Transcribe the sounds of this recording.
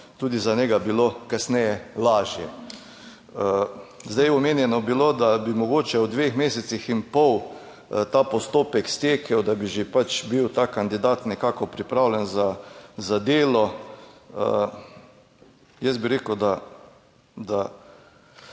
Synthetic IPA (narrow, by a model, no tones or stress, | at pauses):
t̪uːd̪izanɛɡabilokasnɛjɛlaːʒjɛ | əzd̪ajɔmeːnjɛnɔbilod̪abimɔɡoːt͡ʃɛwd̪ʋexmeːsɛt̪sixinpɔw | t̪aːpɔst̪oːpɛkst̪eːkʰɛwd̪abiʒepat͡ʃbiwt̪akand̪id̪aːt̪nɛkaːkɔpɾipɾaːwlʲɛnzazad̪eːlɔ | ə | jɛsbiɾeːkəwd̪a | d̪a